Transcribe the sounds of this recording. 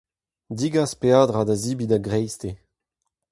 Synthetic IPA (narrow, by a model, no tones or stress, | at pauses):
d̪iɡaspeaːdʁadaziːbidaɡʁɛjste